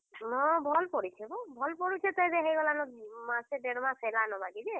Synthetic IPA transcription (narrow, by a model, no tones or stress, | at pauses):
nɔbʱɔlpɔɹisʰɛbɔbʱɔlpɔɹisʰɛt̪ɔjzɛɦejɡɔlanɔmasɛdɛɾɔmasɛlanɔbaɡizɛ